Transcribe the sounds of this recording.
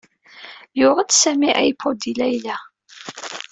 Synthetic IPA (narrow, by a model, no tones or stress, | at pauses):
jʊʁət͡ssæmiʔæ̰jəpʰːod̪ilæjlæ